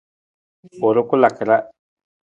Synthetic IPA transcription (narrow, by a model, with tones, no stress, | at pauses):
o˨ɾo˦ko˦la˨ke˨ɾa˦